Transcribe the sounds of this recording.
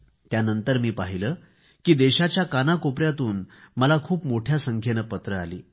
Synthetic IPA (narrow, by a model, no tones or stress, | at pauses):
t̪janənt̪əɾmiːpaɦiləː | kiːd̪eɕat͡ɕjakanakopɾjat̪uːnməlakʰuːpmoʈʰjasəŋkʰjenəpət̪ɾəalḭː